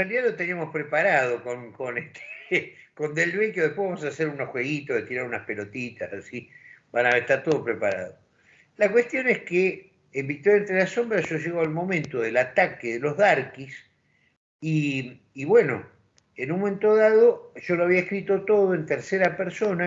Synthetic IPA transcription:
realiðalot̪eniamohpɾepaɾaðokonkonest̪ʰe̥ | kond̪elβekjoðepweβamosaseɾunosxwe̞ɣit̪oðet̪iɾaɾunaspelo̞t̪it̪asasibanaβeeht̪aɾt̪oðopɾepaɾa̰ðo | lakwe̞st̪jo̞nehskeː | mbik̚t̪oɾjaent̪ɾelaso̞mbɾaʒoʒeɣoalmo̞mẽnt̪oðelat̪akeðelo̞zðaɾkis | iː | βwe̞no̰ | enũnmomẽnt̪o̞ðaðoʒo̞loaβiaehkɾit̪o̞t̪o̞ðoent̪eɾseɾapeɾsona

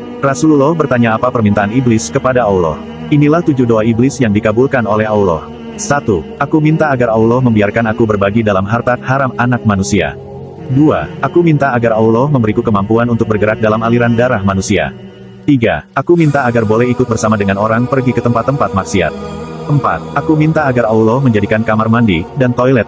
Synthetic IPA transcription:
rasululɔhbərt̪aɲaːpapərmint̪aaniblɪskəpadaaulɔ̰h | inilaht̪ud͡ʒudoaiblɪsjaŋdikabulkanolɛhaulɔ̰h | sat̪uʔakumint̪aːɡaraulɔhməmbiarkanakubərbaɡidalamɦart̪at̪haɾamanak̚manusia̰ | dua̰ʔakumint̪aːɡaraulɔhməmbəɾikukəmampuanunt̪ʊk̚bərɡəɾak̚dalamaliɾandaɾahmanusia̰ | t̪iɡa̰akumint̪aːɡarbolɛhikʊt̪̚bərsamadəŋanoɾaŋpərɡikət̪əmpat̪ːəmpat̪̚mak̚sia̰t̪̚ʔəmpa̰t̪̚akumint̪aːɡaraulɔhməɲd͡ʒadikankamarmandidant̪ojlɛt̪̚

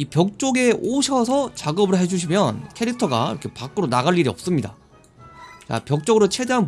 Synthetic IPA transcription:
ipjʌk̚t͡ɕ͈oɡe̞ʔoɕʰʌsʰʌt͡ɕaɡʌbɯɭɦe̞d͡ʑuɕ̬ʰimjʌnkʰe̞ɾi̥tʰʌɡa̰ḭɾʌkʰe̞pak͈ɯɾonaɣaɭːiɾiʌp̚s͈ɯmɲida | t͡ɕa̰pjʌk̚t͡ɕ͈ʌɡɯɾot͡ɕʰe̞deɦan

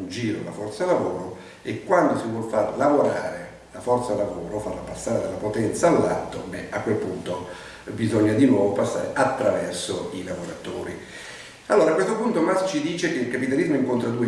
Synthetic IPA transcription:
nd͡ʒiːɾo̰lafɔrt̪salavoːɾo | ekːwand̪osivwɔlfarlavoɾa̰ːɾe | lafɔrt̪salavoːɾofarlapasːaːɾed̪alːapot̪ɛnt̪saːlːa̰lt̪ːo̰bḛakːwelpunt̪o | bizɔɲːad̪inwɔːvopasːaːɾeʔat̪ːɾavɛrsoilavoɾat̪oːɾi | alːoːɾakwest̪opunt̪omast͡ʃid̪iːt͡ʃek̟eilkapit̪alizmoiŋkont̪ɾad̪ue

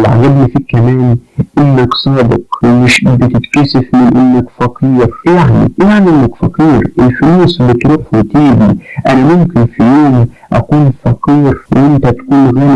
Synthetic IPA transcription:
lʕa̰ɡæbnifikæmæːnʔɪnːaksˤɑːbɪ̰qmɪʃbɪt̪ɪt̪kæsɪfmɪnʔɪnːakfɑqiːɾjaʕnḭjaʕniʔɪnːakfɑqiːɾʔɪlfɪluːsbɪt̪ɾuːħwɪt̪iːbiʔænæmʊmkɪnfijoːm | ʔæ̰kuːnfɑqiːɾwʔɪnt̪æt̪kuːnɣæːli

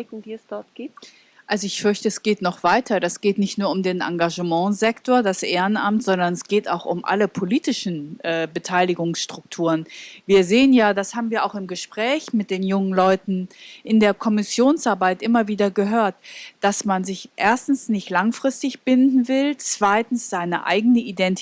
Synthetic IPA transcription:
ɪkŋ̩d̥iːɛsd̥ɔɐt̚ɡ̥iːp̚t | ʔalzoɪçfʏɐçtəɛsɡ̥eːtnɔχv̥aɪtʰɐdasɡ̥eːtnɪçtnuːɐʊmdeːnʔa̰ŋɡaʒəmɑ̃zɛktoːɐdasʔeːʁənʔa̰mtz̥ɔndɐnɛsɡ̥eːta̰ʊxʊmʔa̰ləpʰoliːtɪʃn̩ʔɛːbətʰaɪlɪɡʊŋsʃtʁ̥ʊktʰuːʁənviːɐzeːənjaːdashaːbm̩viːɐʔaʊxɪmɡəʃpʁ̥ɛːçmɪt̚d̥eːnjʊŋənlɔʏtn̩ʔɪndeːɐkʰɔmɪsjoːnsʔaɐbaɪtʔɪmɐviːdɐɡəɦøːɐtd̥asmanzɪçʔeːɐstn̩snɪçtlaŋfʁ̥ɪstɪçb̥ɪndn̩vɪlt͡sv̥aɪtn̩sz̥aɪnə̰ʔa̰ɪɡənəʔidɛnt

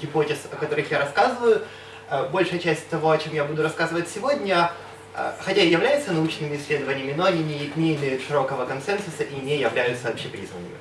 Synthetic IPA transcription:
ɡʲɪpotʲɪsɐkɐt̪o̞ɾɨxjaɾɐskazɨvəjʊ | bo̞lʲʂɨjət͡ɕæsʲt̚ʲt̪ɐvo̞ɐt͡ɕemjabud̪ʊɾɐskazɨvət̚ʲsʲɪvo̞dʲnʲə̰ | xɐtʲaɪjɪvlʲæjɪt̪sənɐut͡ɕnɨmʲɪɪsʲlʲe̞d̪əvənʲɪjəmʲɪnoɐnʲinʲɪjɪt̪ʲnʲejɪmʲɪʂɨɾo̞kəvəkɐnsɛnsʊsəʔinʲejɪvlʲæjʊt̪səvɐpɕepɾʲḭznə̰nə̰mʲɪ̰

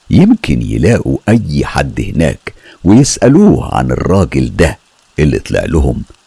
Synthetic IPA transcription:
jɪmkɪnjɪ̰læːʔuʔæjːħa̰d̪ːhɪnæ̰ːk | wɪjɪsʔæluːhʕa̰nɪ̰rˤːɑːɡɪld̪æ | ʔɪlːit̪ˤlḛʕlʊhʊm

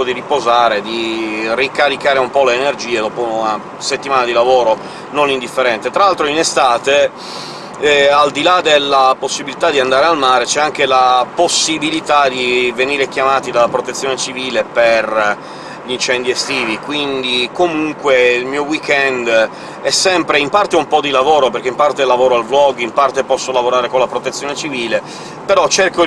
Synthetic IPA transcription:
od̪iripozaːɾed̪irikaɾikaːɾeumpɔleːnerd͡ʒiːed̪ɔːpona | set̪ːimaːnad̪ilavoːɾo | nonind̪ifːeɾɛnt̪et̪ɾaalt̪ɾoinest̪aːt̪e | ald̪ilad̪elːaposːibilit̪ad̪iand̪aːɾealmaːɾet͡ʃɛaŋkelaposːibilit̪ad̪iveniːɾek̟jamaːt̪id̪alːapɾot̪et̪sːjoːnet͡ʃiviːleper | ʎint͡ʃɛnd̪iest̪iːvikwind̪ikomuŋkweilmiːowikɛnd̪ | ɛsːɛmpɾeimpart̪eumpɔd̪ilavoːɾoperkeimpart̪elavoːɾoalvlɔɡimpart̪epɔsːolavoɾaːɾekonlapɾot̪et̪sːjoːnet͡ʃiviːle | peɾɔt͡ʃerko

